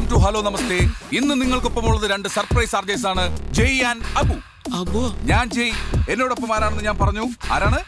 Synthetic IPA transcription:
mtuɦɐloːnɐmɐst̪e̞inːɨniŋːɐɭkopːɐmuɭːɐðɨɾe̞ɳɖɨsɐrprɐjsɐrd͡ʑɐjs̬aːɳɨd͡ʑejːaːnɐbu | ɐbɲaːnd͡ʑeje̞nːo̞ːɽopːɐmaːɾaːɳenːɨɲaːnpɐrɐɲːua̰ːɾaːɳɨ

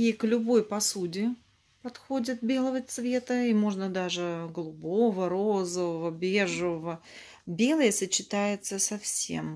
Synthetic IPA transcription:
iklʲʊbo̞jpɐsudʲɪ | pɐt̪xo̞dʲɪt̪̚bʲe̞lˠəvət̪svʲe̞t̪əimo̞ʐnəd̪aʐɨɡəlˠʊbo̞vəɾozəvəvəbʲeʐɨvəvə | bʲelˠəjəsət͡ɕːɪt̪ajɪt̪səsɐfsʲḛm

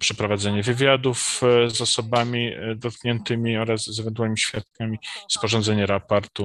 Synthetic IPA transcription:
pʂɛpɾɔvad̪zɛɲɛvɘvʲjad̪ufzɔsɔbamʲid̪ɔt̪̚kɲɛnt̪ɘmʲiɔɾazɛvɛnt̪wɛɲimiɕfʲjat̪̚kamʲispɔʐɔnd̪zɛɲɛɾapaɾt̪u

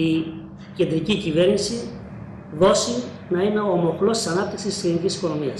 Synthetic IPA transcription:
i | ce̞nd̪ɾicicive̞ɾnisi | ðo̞si | nɐine̞omo̞xlo̞st̪i̥sɐnɐp̚t̪iksisslinicisi̥ko̞no̞miɐ̰s

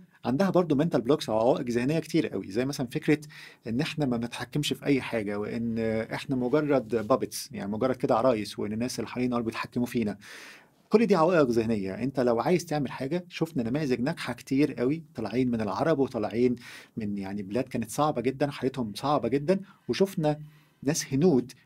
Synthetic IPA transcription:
ʕand̪æhæbɑɾˤd̪ˤoment̪ælbloːksʕawæːʔeqzehnejːækt̪iːɾʔæ̰wḭzæjːmæsælænfekɾet̪ʔenːʔeħnæmæenet̪ħakːemʃfiʔæjːħaːɡæweʔenːʔeħnæmoɡɑrˤːɑd̪bæːbet̪sja̰ʕnimoɡɑrˤːɑd̪̚ked̪æʕɾˤɑːjesweʔenːenːæːsʔelːiħaɾˤiːnʔɑːlbjet̪ħakːemufiːnæ | kolːd̪iːʕawæːʔeqzehnejːæ̰ʔent̪ælæwʕaːjezt̪eʕmelħaːɡæʃofnænæmæːjezeɡnæɡħake̥t̪iːɾʔæwit̪ˤɑlʕiːnmenelʕɑ̰ɾˤɑbwet̪ˤɑlʕiːnmenjaʕnibelæːd̪̚kæːnet̪sˤɑʕbɑɡed̪ːænwħajæːt̪homsˤɑʕbɑɡed̪ːænweʃofnæ | næːshenuːd̪

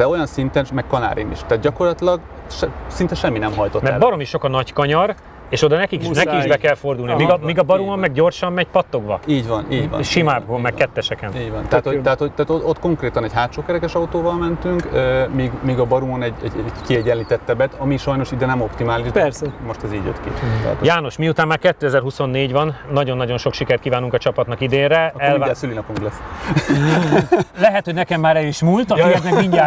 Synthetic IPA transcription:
ɛo̞jɒnsint̪ɛnmɛkkɒna̰ːɾḭmḭʃt̪aːt̪̚ɟɒko̞rlɒt̪ilɒɡʃɛsint̪ɛʃɛmːinɛmɦɒjt̪otmɛɾbɒɾo̞miʃːo̞kɒnɒɟkɒɲɒr | eːʃo̞d̪ɒnɛkikinɛikiʃbɛkɛlfo̞rd̪ulnimiɡɒmiːɡɒbɒɾumɒmːɛɡɟo̞rʃɒmːɛɟ̚pɒt̪ːo̞ɡbɒ̰iːɟvɒniːɟvɒ̰ʃimaːbɦolmɛkkɛt̪ːɛʃɛkɛniːɟvɒnt̪ɛaːt̪hoɛɦaːt̪hoɟ̚t̪aːt̪oot̪ːko̞ŋkɾeːt̪ɒnɛɟɦaːt̪ʃoːkɛɾɛkɛʃɒut̪oːvɒlmɛnt̪yŋkøːmiːɡmiːɡɒbɒɾumonɛɟɛ̰ɟɛkiɛɟɛliːt̪ɛt̪ːɛbɛt̪ɒmiʃɒjno̞ʃid̪ɛnɛmo̞pt̪imaːliʃpɛrsɛmo̞ʃt̪ɛzḭːɟjø̰t̪kḭt̪ɛ̰t̪jaːno̞ʃmiut̪aːmːaːrkɛt̪ːøːɛzɛrhuso̞nːeːɟʋɒnːɒɟo̞nːɒɟo̞nʃo̞kʃikɛrt̪kiːvaːnuŋkɒt͡ʃɒpɒt̪nɒkid̪eːnɾɛɛlvasylinɒpuŋklɛsː | lɛɦɛt̪hoɟnɛkɛmːaːɾɛliʃmult̪ɒmiɛznɛkiɲɟaː

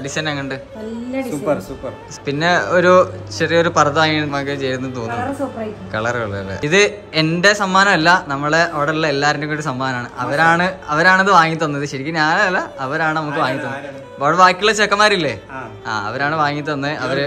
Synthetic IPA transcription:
ɐɖisɐnɐŋːɐɳɖɨ | suɐupːɐ | pinːe̞oɾuɕɐrijoɾupɐrɐðaːŋiɳmɐːkːet͡ɕe̞jɾunːɨt̪oːnːursprakɐɭɐruɭːɐɐʋḛiðɨ | e̞nde̞sɐmːaːnɐmɐlːɐnɐmːɐɭeʔoɽɐulːɐelːaːɾindukːousɐmːaːnɐmaːɳɨʔɐʋɐɾaːɳɨɐʋɐɾaːɳɐðɨʋaːŋːit̪ːɐnːɐiðɨɕɐɾikʲːɨɲaːlɐlːɐɐʋɐɾaːɳɨnɐmuk̬ːɨʋaːŋːit̪ːɐnːɨ | pɐːɽɐʋaːkʲːiiɭet͡ɕːeːkːɐmaːɾilːeː | a̰ːɐ̰ʋɐɾaːɳɨʋaːŋːit̪ːɐnːɨʔɐʋɐɾ

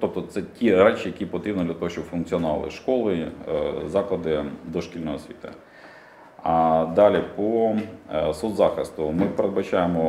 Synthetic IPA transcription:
t̪ɔp̚t̪ɔt̪sɛtʲiɾɛt͡ʃijɐkʲipɔt̪ɾʲibnɔd̪lʲɐt̪ɔɦɔɕt͡ʃɔbfʊnkt͡sʲiɔnʊɑ̰lˠɪ̰ʃkɔlˠɪ | zɑklˠɐd̪ɪd̪ɔʃkʲilʲnɔɦɔsʲʋʲḭt̪ɐ̰ | d̪ɑlʲipɔ | sɔd̪zɑxɪst̪ʊmɪpeɾed̪̚bɐt͡ʃajemɔ

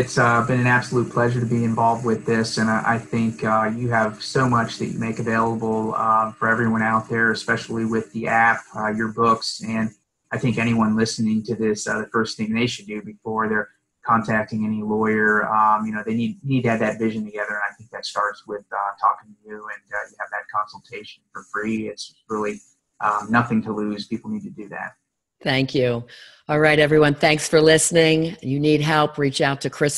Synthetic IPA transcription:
ɨtsʌbɨ̃ñɨ̃næb̥səlut̚pʰl̥ɛʒə˞ɾɨbiɨ̃ɱvɑlˠvd̚wɪðɪsɨ̃nʔa̰ɪθɪ̃ŋkʌjɨɨv̥soʊmʌt͡ʃðɨ̰t͡ʃɨ̰meɪkɨveɪlˠəbl̩ˠʌfə˞ɛvɹiwʌ̃ɾ̃aʊt̪̚ðə˞ɨspɛʃl̩ˠiwɪðiʔæp̚ʌjə˞bʊksɨ̃n | aɪθɪ̃ŋkɛñiwʌ̃nlɪsɨnɪ̃ŋtʰɨðɪsʌðɨfɜ˞sθɪ̃ŋðeɪʃɨdɨbɨfɔɹðə˞ | kʰɑ̃ntʰæk̚tɪ̃ŋɛñilɔɪə˞ʌmjɨñoʊðeɪnid̚nid̚tɨɨd̪̚ðɨtvɪʒɨ̃n̩tʰɨɡɛðə˞ɨ̃naɪθɪ̃ŋk̚ðɨtstɑɹtswɪð̥tʰɔ̰kɪ̃ŋtʰɨjʉɨ̃njɨːvðɨt̚kʰɑ̃nsl̩ˠtʰeɪʃɨ̃n̩fə˞fɹiɪts | ɹɪlˠi | ʔnʌθɪ̃ŋtʰəlʉz̥pʰipl̩ˠnid̚tʰɨdɨðæ̰t̚ | θæ̃ŋkʰjʉ | ɔlˠɹaɪɾɛvɹiwʌ̃nθæ̃ŋksfə˞lɪsnɪ̃ŋjɨnid̚ɦɛlˠpʰɹit͡ʃaʊtʰɨkʰɹ̥ɪs

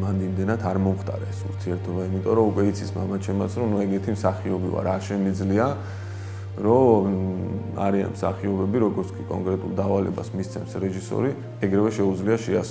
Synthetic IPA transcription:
mand̪imd̪ɛnat̪ʰaɾmɔmχt̪ʼa̰ɾaɛsuɾt̪ʰiɛɾt̪ʰɔbaimit̪ʼɔɾɔukʼwɛit̪sʰismamat͡ʃʰɛmat̪sʰɾɔnuɛɡɛɾt̪ʰimsaχiɔbḭva̰ɾaɾʃɛmid̪zlia | ɾɔ | a̰ɾia̰nmsaχiɔbɛbiɾɔɡɔɾt̪sʰkʼikʼɔ̰ŋkʼɾɛt̪ʼṵlˠd̪avalɛ̰ba̰smist̪sʰɛmsɾɛʒisɔ̰ɾi | ɛɡɾɛvɛʃɛud̪zliaʃias

